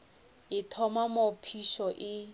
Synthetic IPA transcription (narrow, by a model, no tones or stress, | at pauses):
ɪtʰɔmamopʰiʃɔʔɪ